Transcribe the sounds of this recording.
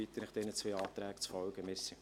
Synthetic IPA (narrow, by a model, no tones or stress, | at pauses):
it̪ːənɪχd̥̪ɛnət͡sʋeɑːt̪ɾæːkt͡sfɔwɡəmɪɾsi